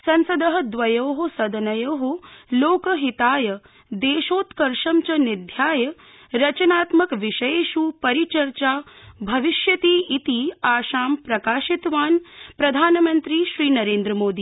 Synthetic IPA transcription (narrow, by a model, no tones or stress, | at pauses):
sɐ̃nsɐd̪ɐɦɐ̆d̪ʋɐjoːɦosɐd̪ɐnɐjoːɦoloːkɐɦit̪aːjɐ | d̪eːʃoːt̪kɐɾʃɐmt͡ʃɐnid̪ʱjaːjɐ | ɾɐt͡ʃɐnaːt̪mɐkʋiʃɐjʃupɐɾit͡ʃɐɾt͡ʃaːbʱɐʋiʃjɐt̪iːit̪iaːʃaːmpɾɐkaːʃit̪ʋaːnpɾɐd̪ʱaːnɐmɐnt̪ɾiʃɾiːnɐɾeːnd̪ɾɐmoːd̪iː